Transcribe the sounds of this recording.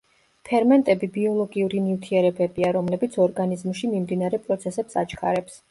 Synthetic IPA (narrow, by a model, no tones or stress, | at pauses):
pʰɛɾmɛnt̪ʼɛbibiɔlˠɔɡiuɾinift̪ʰiɛɾɛbɛbiaɾɔmlɛbit̪sʰɔɾɡanizmʃimimd̪inaɾɛpʼɾɔt̪sʰɛsɛpsat͡ʃʰkʰa̰ɾɛps